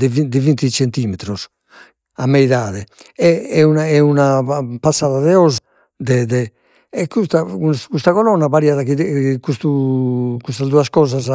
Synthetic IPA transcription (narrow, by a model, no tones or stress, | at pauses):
d̪ɛvid̪ivint̪it͡ʃent̪iːmɛt̪ɾɔs | amːɛiðaːðɛɛɛunaɛunapasːaːðaðɛɔz | d̪ɛd̪ɛː | kːust̪akuskust̪aɣɔlɔnːaβaɾiːaðakikust̪ukust̪azd̪uaskɔːzaz